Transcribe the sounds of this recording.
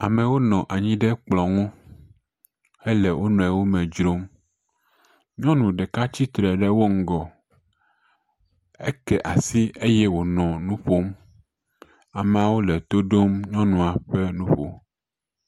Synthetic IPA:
a˨mẽ˨wo˦nɔ̃˨ʔa˨ɲĩ˦ɖɛ˦k͡plɔ˨ŋũ˦ | hɛ˦lɛ˨wʔo˦nɔ̃˨ɛ˨wo˦mɛ̃˨d͡ʒɾo˦m | ɲɔ̃˦nũ˨ɖɛ˨ka˦t͡ɕi˦t̪ɾɛ˨ɖɛ˦wo˦ŋ̩˦ɡɔ˨ | ḛ˦kɛ˨ʔa˨si˦e˦jɛ˦wo˨nɔ̃˨nũ˦ɸo˦m | a˨m̃˨a˨wo˦lɛ˨t̪o˦ɖo˦mɲɔ̃˦nũ˨a˨ɸɛ˦nũ˦ɸo̰˨

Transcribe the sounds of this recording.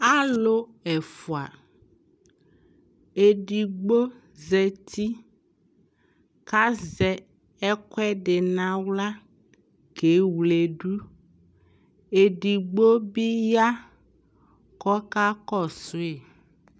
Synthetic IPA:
a˦lo˦ɛ˨fu˨a̰˨ | e˨ɖi˨ɡ͡bo˦ | zɛ˨t̪i˦ | ka˦zɛ˨ | ɛ˦kwɛ˦ɖe˨nã˦wla˦ | ke˨˦wle˨ɖu˦ | e˨ɖi˨ɡ͡bo˦bi˦ja˦ | kɔ˦ka˦kɔ˦˨su˦e˨

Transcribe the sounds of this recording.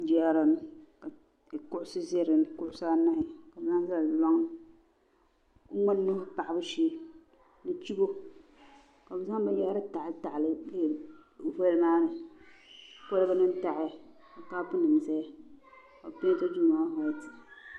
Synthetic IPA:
d͡ʒi˨a˦ɾa˨n˦ka˨ | kʊ˦ʔʊ˦sɨ˦ze˦ɾɨ˨n˨˦kʊ˦ʔʊ˨˦saː˦na˦ʔɪ˦˨ka˨bza˦ŋ˦za˦lla˦ŋ˦ | ŋa˦nː˦o˦hʊ˦pa˨ʔɪ˨bɨ˦ʃiː˦ | nɨ˨t͡ʃi˦bo˦ | ka˨bɨ˨za˦ŋ˦bɨ˦ja˦ɾɨ˦ta˨ʔɪ˦ta˨ʔlɨ˦lvɛ˦lmaː˦nɨ˨ | po˦lɨ˦bɨ˦nɨ˦n˦ta˨ʔɪ˨˦˨ | a˨ka˦pʊ˦nɨ˨m˨za˦ja˦ | a˨pe˦ta˦d͡ʒu˦˨maː˦ha˨˦ti˨

